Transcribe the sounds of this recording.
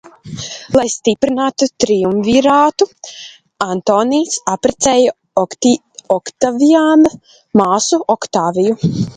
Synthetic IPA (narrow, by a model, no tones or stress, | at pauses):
lˠajst̪ipɾinaːt̪ut̪ɾijumviɾaːt̪u | ant̪oːniːsapɾɛt̪sɛːja | ɔkt̪aviaːn | maːsuɔkt̪aːviju